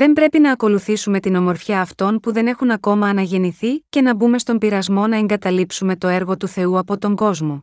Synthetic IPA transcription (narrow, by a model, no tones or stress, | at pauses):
ðe̞mbɾe̞pinɐːko̞luθisume̞t̪ino̞mo̞ɾfçɐːft̪o̞npuðe̞ne̞xunɐko̞mɐːnɐʝe̞niθice̞nɐbume̞st̪o̞mbiɾɐzmo̞nɐeŋɡɐt̪ɐlipsume̞t̪o̞e̞ɾɣo̞t̪uθe̞uɐpo̞t̪o̞ŋɡo̞zmo̞